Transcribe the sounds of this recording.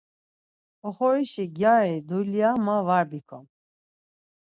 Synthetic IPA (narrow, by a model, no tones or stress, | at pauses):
ɔχɔɾiʃiɡjaɾɛd̪uliamavaɾbikʰɔm